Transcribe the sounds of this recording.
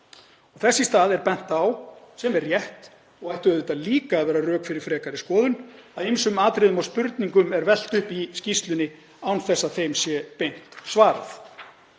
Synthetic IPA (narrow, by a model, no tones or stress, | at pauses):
ɔɣθɛsːɪst̪aːðɛɾpɛn̥t̪awsɛmɛrːjɛht̪ | ɔɣajht̪ʏɛðɪt̪aliːkaːðvɛːɾarœːkfɪɾɪɾ̥fɾɛːkaɾɪskɔːðʏnaðimsʏmaːt̪ɾɪðʏmawspʏɾt̪niŋkʏmɛɾvɛl̥t̪ʏhpiscist̪lʏnːɪ | awnθɛsːaðθejmsjɛpejn̥tt̪svaːɾa̰θ